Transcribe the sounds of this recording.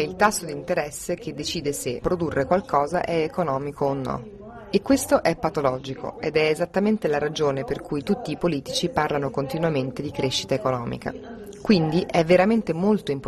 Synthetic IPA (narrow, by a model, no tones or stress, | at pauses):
ɛilt̪asːod̪int̪eɾɛsːek̟ed̪ːet͡ʃiːd̪esepːɾod̪urːʔekwalkɔːza̰ʔɛekonɔːmikoːnːɔ̰ | ekːwest̪oʔɛpːat̪olɔːd͡ʒikʰo̰ed̪ɛezat̪ːament̪elaɾad͡ʒoːneperkujt̪ut̪ːiːpoliːt̪it͡ʃiparlanokont̪inwament̪ed̪ikɾeʃːi̥t̪aekonɔːmḭka̰ | kwind̪iʔɛvːeɾament̪emolt̪oimp